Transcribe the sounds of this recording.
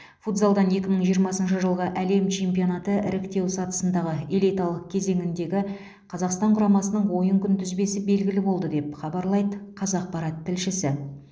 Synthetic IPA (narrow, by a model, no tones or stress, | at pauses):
fut̪bolˠd̪ɑne̞kʲɪməɴʒijəɾmɑsənʃəʒəlˠʁəʔæle̞mt͡ʃʰe̞mpio̞nɑt̪əɪɾɪkt̪e̞wsɑt̪ə̥sənd̪ɑʁəelʲijt̪ɑlˠəq̚kʲʰe̞ze̞ŋɪnd̪e̞ɡʲɪ | qʰɑzɑqst̪ɑɴqʰʊɾɑmɑsənəɴwo̞jəŋkʲʰʏnt̪ʰʏzbe̞sɪbe̞lɡʲɪlɪbo̞lˠd̪əd̪e̞pχɑbɑɾlˠɑjd̪əqʰɑzɑq̚pɑɾɑt̪ʰːɪlʃɪsɪ